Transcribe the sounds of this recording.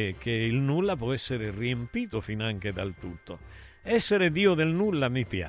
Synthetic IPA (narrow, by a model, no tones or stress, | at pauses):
k̟ːeilnulːapwɔɛsːeɾeriempiːt̪ofinaŋk̟ed̪alt̪ut̪ːoɛsːeɾed̪iːod̪elnulːamipja̰